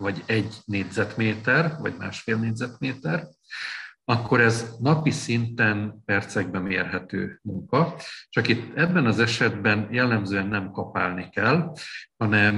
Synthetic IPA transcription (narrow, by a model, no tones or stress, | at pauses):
vɒɟɛɟneːdzɛt̪meːt̪ɛrvɒ̰ɟma̰ːʃfeːlneːɟʲzɛt̪meːt̪ɛr | ɒkʰːo̞ɾɛznɒpisint̪ɛnpɛrt̪sɛɡ̚bɛmeːrɦɛt̪ø̰ːmuŋkɒt͡ʃɒkit̪ːɛbːɛnɒzɛʃɛd̪bɛnjɛlːɛmzøːɛnːɛmkɒpa̰ːlnikɛlhɒnɛm